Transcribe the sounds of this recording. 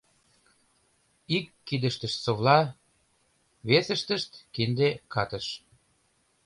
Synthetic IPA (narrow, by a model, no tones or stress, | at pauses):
ikːid̪ə̆ʃt̪ə̆ʃsoβlɑ | βesə̆ʃt̪ə̆ʃt̪kind̪ekɑt̪əʃ